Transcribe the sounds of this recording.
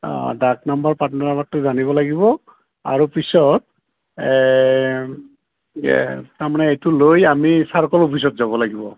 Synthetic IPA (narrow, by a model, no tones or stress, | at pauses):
dak̚nambaɹpatnanabatːʊzaniβɔlaɡibɔ | a̰ɹupisɔt̚ | taɹmanɛejtulojamisaɹkɔlopʰis̬ɔtzabɔlaɡibɔ